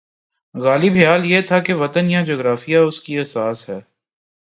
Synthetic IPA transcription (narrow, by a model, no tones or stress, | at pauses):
ɣaːlibʱjaːljet̪ʰakeʋɐt̪ənjãd͡ʒoːɡɾaːfijaʊskiɛːsaːsɦɛː